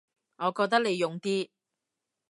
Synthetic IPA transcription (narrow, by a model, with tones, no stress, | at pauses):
ŋɔː˨˧kɔː˧k̚t̪ɐ˥k̚le˨˧jʊ˨ŋt̪iː˥